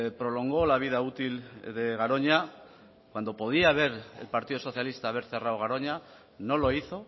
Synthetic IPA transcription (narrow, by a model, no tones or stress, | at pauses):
pɾo̞lo̞ŋɡo̞laβ̞ið̞aut̪ilðe̞ɣ̞aɾo̞ɲa | kwand̪o̞po̞ð̞iaːβ̞e̞ɾḛlpaɾt̪iðoo̞θjalist̪aːβ̞e̞ɾθe̞rawɣ̞aɾo̞ɲa | no̞lo̞iθo̞